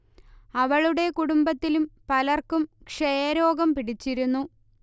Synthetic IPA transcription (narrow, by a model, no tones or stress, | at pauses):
ɐʋɐɭuɽe̞kuɽumbɐt̪ːilumpɐlɐrkumkʂejɐɾo̞ːɡɐmpiɽit͡ɕːiɾunːu